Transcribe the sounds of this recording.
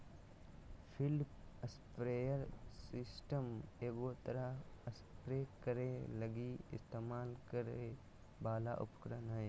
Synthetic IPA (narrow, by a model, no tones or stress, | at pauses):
pʰɪlpəspɾeːjəɾsɪsʈəmeːɡoːt̪əɾaəspɾeːkəɾeləɡiɪ̰st̪eːmaːlkəɾe | baːla̰ʔʊ̰pkɾənɦəe